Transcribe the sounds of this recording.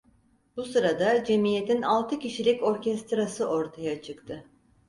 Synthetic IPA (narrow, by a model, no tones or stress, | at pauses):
busɯɾad̪ad͡ʒe̞mijet̪ʰinalˠt̪ʰɯciʃilʲico̞ɾcɛst̪ɾasɯʔo̞ɾt̪ʰajat͡ʃʰɯkt̪ʰɯ